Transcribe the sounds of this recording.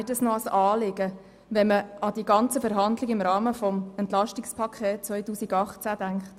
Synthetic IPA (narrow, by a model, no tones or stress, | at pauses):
ɪdəsnoɑsɑːlɪɡ̥ə | ʋɛnməɑd̥iɡɑnt͡səfəɾɦɑndlɪɡɪmɾɑːməfɔmɛntlɑʃtikspʰɑkʰɛːt̚t͡sʋœɪtuːsiɡɑχt͡sæd̥æŋkχt